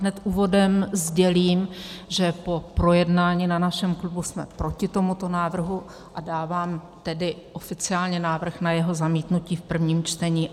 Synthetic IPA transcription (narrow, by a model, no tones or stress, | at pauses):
ɦnɛt̪ʔuːvo̞dɛmzɟɛliːmʒɛpo̞pɾo̞jɛdnaːɲiːnanaʃɛmklubusmɛpɾo̞cɪt̪o̞mut̪o̞naːvr̩ɦu | ʔadaːvaːm | t̪ɛdɪʔo̞fɪt͡sɪaːlɲɛnaːvr̩xnajɛɦo̞zamiːt̪nuciːfpr̩vɲiːmt͡ʃt̪ɛɲiː